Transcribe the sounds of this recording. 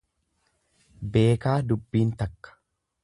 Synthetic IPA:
be̞ːkaːd̪ʊbːiːnt̪ɐkːɐ̥

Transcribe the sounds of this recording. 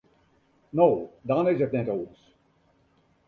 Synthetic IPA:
noːdɔnɪzətnɛtons

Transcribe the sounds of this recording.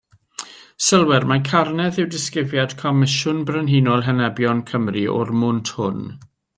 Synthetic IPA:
səlˠwɛrmakʰarnɛðɪwdɪskɪvjad̥kʰɔmɪʃʊnbrənɦinɔlˠɦɛnɛbjɔnkʰəmriʔɔ̰rmʊntʰhʊn

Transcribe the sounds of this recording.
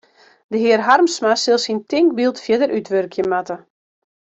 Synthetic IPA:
dəɦɪərɦarmsmasɪlˠsintɪŋk̚bilˠtfjədəɾʔytʰʋørkʰjəmatə

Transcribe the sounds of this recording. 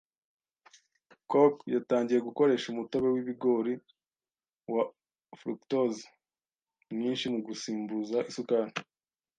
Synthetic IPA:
kokjataːɲɟije̞ɡuko̞ɾe̞ʃumuto̞βe̞wiβiɡo̞ɾi | wa | fɾuktoz | mɲiːnʃimuɡusiːmbuzaʔisukani

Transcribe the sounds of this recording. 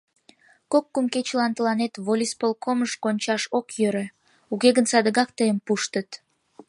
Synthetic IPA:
kokːumket͡ɕəlɑnt̪əlɑnet̪βolʲispolˠkʰoməʃkonʲt͡ɕɑʃokjøɾø̆ | uɣeɣənsɑd̪əɣɑkt̪əjəmpuʃt̪ət̪

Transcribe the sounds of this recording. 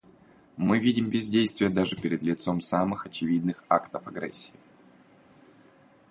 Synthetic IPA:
mɨvʲidʲɪmbʲɪzʲdʲejst̪vʲɪjəd̪aʐɨpʲɪɾʲɪd̪lʲɪt̪so̞msamɨxɐt͡ɕɪvʲid̪nɨxakt̪əfɐɡɾɛ̰sʲːɪ̥ɪ

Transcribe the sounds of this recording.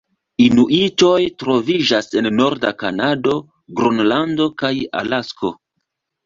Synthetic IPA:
inuʔit͡ʃo̞jtɾo̞vid͡ʒase̞nːo̞ɾdakanado̞ | ɡɾonlando̞kaja̰lasko̞

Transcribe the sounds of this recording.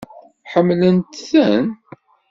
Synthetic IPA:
ħəmːlənt̪θæn

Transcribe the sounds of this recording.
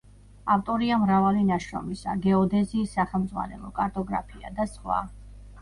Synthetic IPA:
aft̪ʼɔɾiamɾavalinaʃɾɔ̰misa̰ɡɛɔd̪ɛziːsːaχɛmd̪zʁwa̰nɛlɔ̰kʼaɾt̪ʼɔɡɾa̰pʰia̰d̪asχwa̰

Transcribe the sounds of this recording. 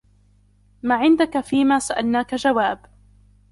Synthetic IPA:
maːʕɪnd̪akafiːmaːsaʔa̰lnaːkad͡ʒawaːb

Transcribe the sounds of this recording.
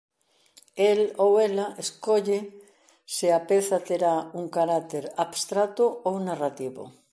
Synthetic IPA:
elowelaʔeskoʎe | seapeθat̪eɾauŋkaɾat̪eɾabst̪ɾat̪oownarat̪iβo̰

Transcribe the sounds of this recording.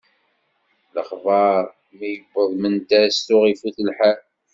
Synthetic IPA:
ləχvɑɾˤ | mijəbːəðˤmənt̪æsʊʁifuθəlħa

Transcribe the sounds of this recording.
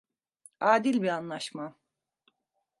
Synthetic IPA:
aːd̪ilʲbianlˠaʃma

